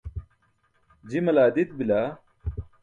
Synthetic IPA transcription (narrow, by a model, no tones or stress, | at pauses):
d͡ʑimɐlaːd̪it̪̚bilaː